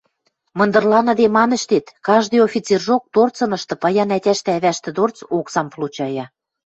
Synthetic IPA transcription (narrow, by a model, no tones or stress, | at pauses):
mɤ̆nd̪ɤ̆rlɑnɤ̆d̪emɑnə̆ʃt̪et̪kɑʒd̪ɤ̆jofʲit͡serʒok̚t̪ort͡sɤ̆nɤ̆ʃt̪ɤ̆pɑjɑnætʲæʃt̪ɘ̆æβæʃt̪ɘ̆d̪ort͡soksɑmplut͡ɕɑjɑ